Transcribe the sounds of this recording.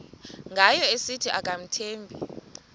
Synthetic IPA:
ŋɡʱajɔesitʰiʔakʼam̩tʰeːmbʱi

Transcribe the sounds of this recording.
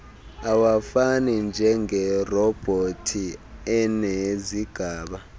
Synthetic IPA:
awafanind͡ʒʱɛŋɛrɔb̥ʱotʰiɛneziɡ̥ʱaːɓa

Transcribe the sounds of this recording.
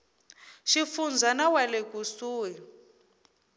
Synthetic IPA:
ʃifund͡zʱanawalekusuːwɛ

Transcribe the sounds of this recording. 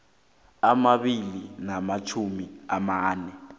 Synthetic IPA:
amaɓilinamat͡ʃʰumiamaːnɛ

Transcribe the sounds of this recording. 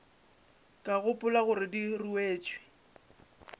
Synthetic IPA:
kʼaɣʊpʼʊlaɣʊɾɪdiruweːt͡ʃʼwɪ̥

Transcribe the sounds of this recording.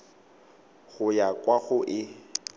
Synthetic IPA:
ɣʊjakʼwaɣʊʔɪ

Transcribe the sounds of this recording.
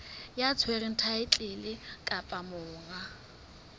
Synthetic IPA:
jat͡sʰwerɪn̩tʰaɪt͡ɬʼɪlɪkʼapʼamʊːŋa

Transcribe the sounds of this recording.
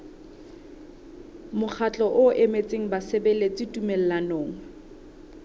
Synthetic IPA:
mʊk͡xʰat͡ɬʼɔʔʊʔemet͡sʼeŋ̩basebɛlet͡sʼɪtʼumel̩lanoːŋ̩

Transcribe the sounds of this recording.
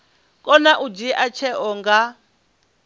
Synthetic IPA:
kʼɔnaʔud͡ʒiʔat͡ʃʰɛʔɔŋɡa

